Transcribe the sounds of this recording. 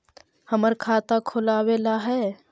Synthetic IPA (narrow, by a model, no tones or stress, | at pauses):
həməɾkʰaːt̪akʰʊlaːweːlaɦɛː